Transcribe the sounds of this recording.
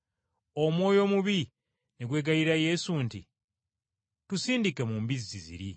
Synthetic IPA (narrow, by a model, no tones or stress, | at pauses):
omwo̞ːjo̞ːmuβi | neɡwe̞ːɡajiɾaje̞suntḭ | tusiːndikemumbizizizḭɾḭ